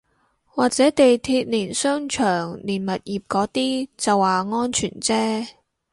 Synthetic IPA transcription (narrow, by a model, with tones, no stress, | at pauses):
waː˨k̚t͡sɛː˨˥t̪e˨jt̪ʰiː˧t̚niː˨˩nsœː˥ŋt͡ʃʰœː˨˩ŋliː˨˩nmɐ˨t̚jiː˨p̚kɔː˨˥t̪iː˥t͡sɐ˨wːaː˨˩ŋɔː˥nt͡ʃʰyː˨˩nt͡sɛː˥